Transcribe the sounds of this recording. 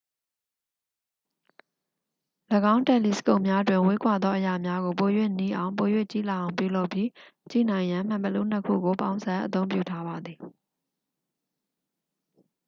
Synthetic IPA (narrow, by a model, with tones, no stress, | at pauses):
ləɡã˦ʊ̃ntɛ˦˨li˨sə̥ko˦ʊ̃mja˦dwɪ̃˨we˦kwa˨d̪ɔ˦ʔəja˨mja˦ɣo˨po˨jwḛ˦˨ni˦ʔã˨ʊ̃po˨jwḛ˦˨t͡ɕḭ˦˨la˨ʔã˨ʊ̃mpju˦˨lo˦ʊpji˦ | t͡ɕḭ˦˨nã˨ɪ̃jã˨m̥ã˨mpəlṵ˦˨n̥əkʰṵ˦˨ɡo˨pã˦ʊ̃zã˨˦ʔət̪̬õ˦ʊ̃mpjṵ˦˨tʰa˦βa˨d̪ði˨